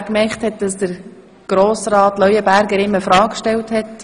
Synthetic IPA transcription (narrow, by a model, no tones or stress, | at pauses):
kmɛχthɛt̚d̥ɑsd̥əɾ | ɡ̥ɾoːsɾɑːtlœʏəbæɾɡəɾɪmːəfɾɑːkkʃtɛlthɛt